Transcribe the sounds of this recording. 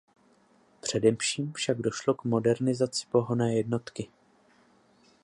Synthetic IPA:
pr̝̥ɛdɛfʃiːmfʃaɡdo̞ʃlo̞kmo̞dɛɾnɪzat͡sɪ̥po̞ɦo̞nɛːjɛdno̞t̪kɪ

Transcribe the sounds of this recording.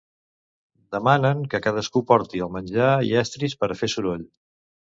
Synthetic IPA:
d̪əmanəŋkəkað̞əskupɔɾt̪iəlˠmənʲʒaḭɛst̪ɾispəɾfesuɾoʎ

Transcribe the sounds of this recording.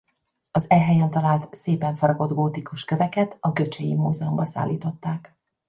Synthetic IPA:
ɒzɛɦɛjɛnt̪ɒlaːlt̪seːpɛɱfɒɾɒɡo̞d̪ɡoːt̪ikuʃkø̞vɛkɛt̪ɒɡø̞t͡ʃɛjḭmuːzɛombɒsa̰ːlːiːt̪o̞t̪ːaːk

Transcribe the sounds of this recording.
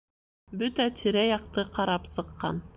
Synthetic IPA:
bʉt̪æt̪ʰiɾæjɑq̚t̪ɤqʰɑɾɑpsɤ̆qːɑ̰n

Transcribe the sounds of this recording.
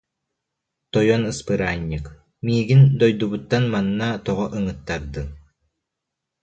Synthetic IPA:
t̪ɔjɔnɯspɯɾaːnːik | miːɡind̪ɔjd̪ubut̪ːanmanːat̪ɔʁɔʔɯŋɯt̪ːaɾd̪ɯ

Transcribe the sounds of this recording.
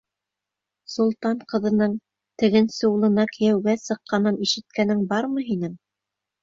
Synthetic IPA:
sulˠt̪ɑɴqɤ̆ðɤ̆nɤɴ | t̪ɘ̆ɡɘnsɘ̆ulˠɤ̆nɑkɘ̆jæwɡæsɤ̆qːɑnɤniʃɘ̆t̪̚kænɘŋbɑɾmɤ̆ɦinɘŋ

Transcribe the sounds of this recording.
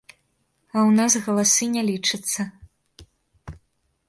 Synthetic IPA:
ɐwnazɣɐlˠasɨnʲɛlʲit͡ʂɨt̪sːɐ

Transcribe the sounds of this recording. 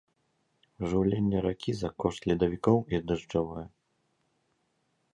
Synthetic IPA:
ʐɨwlʲenʲːɛɾakʲʰizɐkɔʂt̪lʲɛd̪ɐvʲikɔwiɐd̪ɨʐavɔjɛ

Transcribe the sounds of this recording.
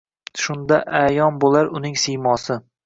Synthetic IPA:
ʃʊnd̪aʔajɒnbolˠaɾʊnɪŋsɪjmɒsɪ

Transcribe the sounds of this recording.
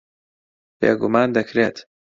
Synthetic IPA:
bḛːɡʊmaːnd̪ɐkʰɾeːt̪

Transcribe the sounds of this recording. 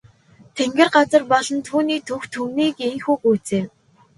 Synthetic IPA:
t̪ʰeŋɡʲĕrɢat͡sə̆rpɔɮɞ̆nt̪ʰuːniːt̪ʰɵxt̪ʰuwniːkeŋxuːkuːt͡seː

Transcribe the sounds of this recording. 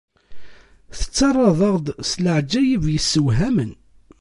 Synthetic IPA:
θə̥t͡sːɑrˤːɑðˤɑʁd̪sləʕd͡ʒːæjivjəsːəwɦæmən

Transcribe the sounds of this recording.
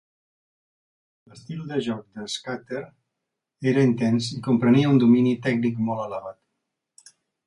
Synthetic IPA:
ləst̪ilˠd̪əʒɔk̚d̪əskat̪eɾ | eɾəint̪ɛnsikumpɾəniəund̪uminit̪ɛknikmɔlˠələβat̪

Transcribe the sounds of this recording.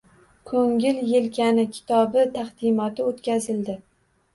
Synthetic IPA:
kʰɵŋʲɪljelkʲʰanɪkʲʰɪ̥t̪ʰɒbɪt̪ʰaχd̪̥ɪmɒt̪ʰɪot̪kʲazɪld̪ɪ

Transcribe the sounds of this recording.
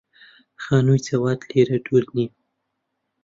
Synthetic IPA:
xɑnujt͡sawɑt̪leɾaɖuɾni

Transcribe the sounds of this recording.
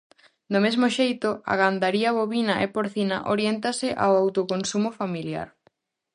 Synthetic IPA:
d̪omezmoʃejt̪oa̰ɣand̪aɾiaβoβinaʔepoɾθinaʔoɾjent̪asɪʔa̰wawt̪okonsumofamilja̰ɾ

